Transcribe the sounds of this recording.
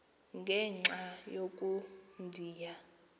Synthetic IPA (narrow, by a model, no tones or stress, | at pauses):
ŋɡʱɛŋ͡ǁajokʼundʱiːja